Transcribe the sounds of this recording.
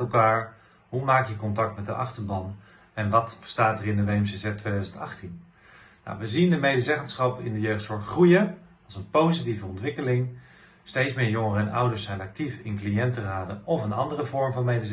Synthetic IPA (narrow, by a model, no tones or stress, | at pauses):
ɛlˠkaːɹ | ɦumaːkjəkɔntɑk̚tmɛtdə̰ʔɑ̰χtəɹbɑn | ɛnʋɑtbə̥staːtərɪndəʋejɛmsezɛttːʋejdœzəntɑ̰χtin | na̰wʋəzindəmejdəzɛχənsχɑpɪ̰ndəjøχtsɔɹtχrujə | ɑlˠzənpowzitivəɔntʋɪkəlɪŋ | stejtsmɪːɹjʊŋəɛnʌ̰wdəɹsːɛjnɑk̚tifɪnklijɛntəraːdəɔfənɑ̰ndərəvɔɹmvɑnmejdə